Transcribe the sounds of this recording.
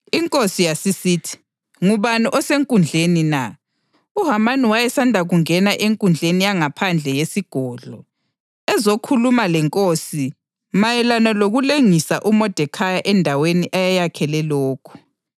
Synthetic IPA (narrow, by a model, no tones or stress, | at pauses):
iŋkʼosijasisitʰi̥ | ŋuβaniʔɔseŋkʼund͡ɮʱenina | uɦamaniwajɛsandʱaɣuŋɛnaʔeŋkʼund͡ɮʱenijaŋapʰand͡ɮʱɛjesiɡ̥ʱɔːɮɔ | ɛzokʰulumalɛŋkʼosi | majɛlanaloɣuleŋisaʔumɔd̥ʱɛkʰajaʔɛndʱaweniʔajajakʰɛlɛlɔːkʰu̥